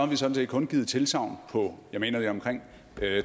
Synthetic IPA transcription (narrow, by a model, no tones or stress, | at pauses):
ʋisɒ̽d̥n̩sḛːd̥̚kʰɔ̽nɡ̥iːð̞ˠt͡sʰe̝lsɑ̈ʊnpʰɒ̽jɑ̈me̝ːnɐd̥eɒ̽mkʰʁeŋ̰